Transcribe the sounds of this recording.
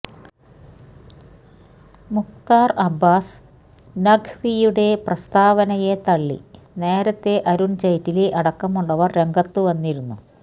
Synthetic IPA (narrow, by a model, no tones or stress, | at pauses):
mukt̪aːrɐbːaːs | nɐɡʱʋijuɽe̞prɐst̪aːʋɐnɐjet̪ɐɭːḭ | ne̞ːɾɐt̪ːe̞ʔɐɾunt͡ɕɐjtːileʔɐɽɐkːɐmuɭːɐʋɐrɾe̞ŋɡɐt̪ːuʋɐnːiɾunːu